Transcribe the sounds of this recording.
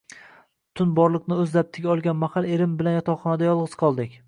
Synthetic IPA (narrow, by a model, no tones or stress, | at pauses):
t̪ʰʊnbɒɾlˠɨqnɪɵzd̪ap̚t̪ʰɪɡʲaɒlˠɡʲanmahalˠe̞ɾɪmbɪlanjɒt̪ʰɒwχɒnad̪ajɒlˠʁɨz̥qʰɒlˠd̪ɪkʲ